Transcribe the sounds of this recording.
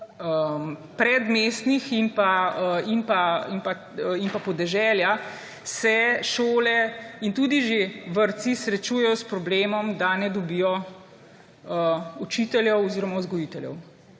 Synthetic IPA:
əpɾɛd̪meːst̪nixinpainpainpa | inpapɔd̪ɛʒɛlja | sɛʃoːlɛint̪uːd̪iʒeʋəɾt̪sisɾɛt͡ʃuːjɛjɔspɾɔbleːmɔmd̪anɛd̪ɔbiːjɔ | əut͡ʃit̪ɛljɛwɔziːɾɔmazɡɔjit̪ɛljɛ̰w

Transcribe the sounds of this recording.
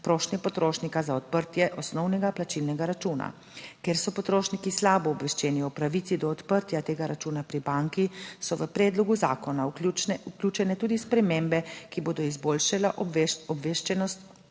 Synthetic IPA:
pɾoːʃnipɔt̪ɾoːʃnikazaɔt̪̚pəɾt̪jɛʔɔsnɔwnɛɡaplat͡ʃilnɛɡaɾat͡ʃuːna̰ | keːɾsɔpɔt̪ɾoːʃnikislaːbɔːbʋɛʃt͡ʃɛːniɔpɾaʋit̪sid̪ɔːt̪pəɾt̪jat̪eːɡaɾat͡ʃuːnapɾibaŋkisɔʋəpɾɛːd̪lɔɡuzaːkɔnauklʲjuːt͡ʃɛnɛt̪uːd̪ispɾɛmeːmbɛkiboːd̪ɔizboːlʃalaʔɔbʋeʃt͡ʃɛnɔst̪

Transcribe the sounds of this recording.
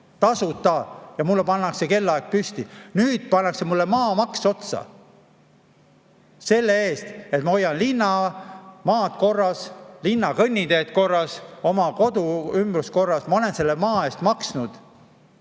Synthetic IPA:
t̪ɑsut̪ːˑɑjɑmulːepɑnːɑkse̞ke̞lːɑek̚pyst̪inyːd̪̥̚pɑnːɑksemulːemɑːmɑkso̞t̪sɑ̰ | se̞lːee̞ːst̪e̞t̪mɑo̞jːɑnlinːɑmɑːt̪ko̞rːɑslinːɑkɤnʲːid̪e̞t̪ko̞rːɑso̞mɑko̞d̪uymbrusko̞rːɑsmɑo̞le̞nse̞lːemɑːe̞ːst̪mɑksnud̪̥

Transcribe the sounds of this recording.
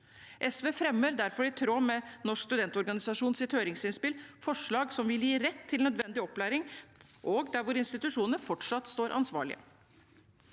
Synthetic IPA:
ʔɛsʋeːfɾɛmːəɾd̪æɾfɔɾɪt̪ʰɾoːmɛnɔʂkst̪ʉd̪ɛnt̪ɔɾɡɑnɪsɑʂuːnsɪt̪høːɾɪŋsɪnspɪlfɔʂɭɑːɡsɔmʋɪljiːɾɛt̪ʰːɪlnœd̪ʋɛnd̪ɪɔpːlæːɾɪŋ | ʔɔɡd̪æɾʋʊɾɪnst̪ɪt̪ʉʂuːnəəfɔʈʂɑt̪ːst̪oːɾʔɑ̰nsʋɑ̰ːɭɪ̰ə̰

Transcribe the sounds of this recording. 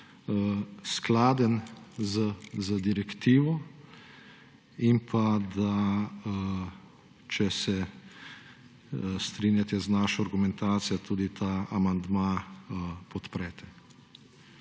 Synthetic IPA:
sklaːd̪ənzəzəd̪iɾɛkt̪iːʋɔ | impʰad̪a | t͡ʃɛsɛ | st̪ɾinjat̪ɛznaːʃɔaɾɡumɛ̃nt̪aːt̪sijɔt̪ʰuːd̪it̪ʰaːamand̪maː | pɔt̪pɾɛːt̪ʰɛ

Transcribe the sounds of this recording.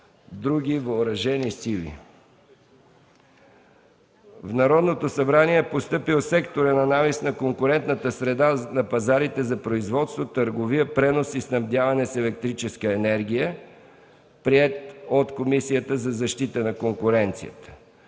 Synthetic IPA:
d̪ɾuɡ̟ʲivɐoɾɐʒɛnisilḭ | vnɐɾɔd̪not̪osɐbɾaniɛpost̪ɤpilˠsɛkt̪oɾənɐnavisnɐkoŋkʊɾɛnt̪nət̪əsɾɛd̪anɐpɐzaɾit̪ɛzɐpɾoizvɔt̪st̪vot̪əɾɡovijəpɾɛnosisnɐvd̪javɐnɛsɛlɛk̚t̪ɾit͡ʃɛskəɛnɛɾɡ̟ʲijə | pɾiɛt̪ot̪komisijət̪əzɐzɐʃt̪it̪ənɐkoŋkʊɾɛnt̪sijə̰t̪ə̥

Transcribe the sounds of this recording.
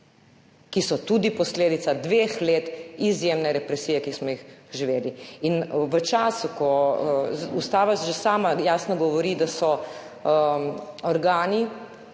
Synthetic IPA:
kisɔt̪ud̪ipɔsleːd̪it̪sad̪ʋeːxleːt̪izjeːmnɛɾɛpɾɛsiːjɛkismɔjixʒiʋeːd̪iinʋət͡ʃaːsukɔ | ust̪aːʋasʒɛsaːmajaːsnɔɡɔʋɔɾid̪asɔ | ɔɾɡaːni

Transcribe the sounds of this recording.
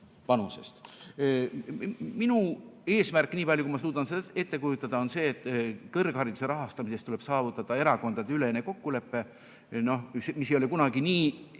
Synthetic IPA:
pɑnuse̞̰st̪ | minue̞ːsmærkːˑniːpɑlʲjukumɑsuːd̪̥ɑnsed̪e̞t̪ːe̞kujut̪ːˑɑd̪̥ɑo̞nse̞ːt̪ːˑkɤrɡ̥hɑɾid̪̥use̞ɾɑɦɑst̪ɑmisest̪ule̞b̥sɑːvut̪ˑːɑd̪̥ɑe̞ɾɑko̞nd̪̥ɑd̪eylenːeko̞kːule̞pːe̞ | no̞semisejoe̞kunɑɡiniː

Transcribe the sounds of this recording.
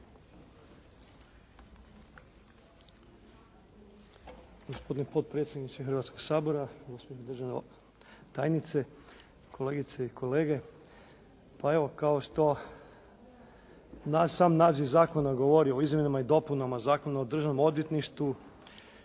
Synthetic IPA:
ɡ̥ospo̞d̪inepo̞d̪̚pɾe̞t̪sʲje̞d̪nit͡ʃexrʋat̪ko̞ɡsaːbo̞ɾausmʲelod̪rʒane | t̪ajnit̪se | kʰo̞le̞ːɡit̪seikʰo̞leːɡe̞ | pae̞ʋo̞kaoʃt̪o̞ | nasaːmnaːziʋzaːko̞naɡo̞ʋo̞ɾiooizmʲjenamaid̪o̞punamazaːkonaod̪r̩ʒanomo̞d̪jet̪niʃt̪u

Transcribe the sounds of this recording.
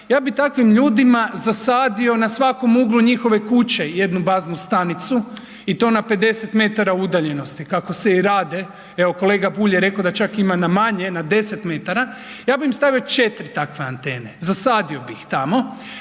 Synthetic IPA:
jaːbit̪akʋimʎuːd̪imazasaːd̪io̞nasʋako̞muɡlˠuɲixo̞ʋe̞kut͡ɕe̞je̞d̪nubaːznust̪anit̪su | it̪o̞ːnape̞d̪e̞se̞t̪me̞t̪aɾaud̪aʎe̞no̞st̪ikako̞seiɾaːd̪e̞ | eʋo̞ko̞le̞ːɡabuːʎjeɾe̞kod̪at͡ʃakimanamaɲe̞nad̪e̞se̞t̪me̞t̪aɾa | jaːbimst̪aʋio̞t͡ʃe̞t̪ɾit̪akʋeant̪e̞ːnezasaːd̪io̞bixt̪amo̞

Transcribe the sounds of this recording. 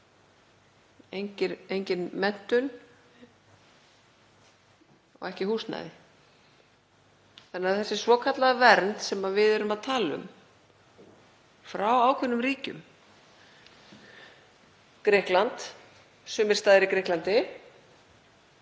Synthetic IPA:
ejɲcɪɾejɲcɪnmɛn̥t̪ʏn | ɔ̰ɣɛhcɪhuːst̪na̰ðɪ | θanːaθɛsːɪsvɔːkʰat̪laɣavɛɾnt̪sɛmavɪðɛɾʏmaðt̪ʰaːlʏ̰m | fɾawaːwkʰvɛnːʏmriːcʏ̰m | kɾɪhklant̪ | sʏːmɪɾ̥t̪aːðɪɾikɾɪhklant̪ɪ

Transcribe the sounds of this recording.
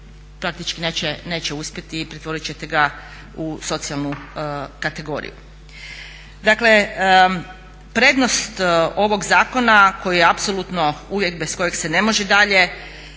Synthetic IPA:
pɾak̚t̪it͡ʃkineːt͡ɕene̞ːt͡ɕeuspʲjet̪iːpɾet̪ʋo̞ɾit͡ɕe̞t̪e̞ɡa | uso̞t̪sialnukat̪e̞ɡo̞̰ɾḭjṵ | d̪akle̞ | pɾe̞ːd̪no̞st̪o̞ʋo̞ɡzaːko̞nako̞jujeapso̞lˠut̪no̞uʋje̞kbesko̞jeɡse̞ne̞mo̞ʒed̪aʎe̞

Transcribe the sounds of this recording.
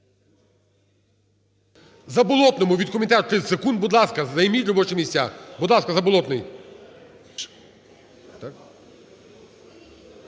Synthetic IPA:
zɐbɔlˠɔt̪nɔmʊʋʲid̪̚kɔmʲint̪ɛt̪ɾɪsekund̪̚bud̪lˠɑskɐzɐjmʲit̪ʲɾɔbɔt͡ʃɛmʲisʲt̪ʲa̰bud̪lˠɑskɐzɐbɔlˠɔt̪nɪj | t̪ak

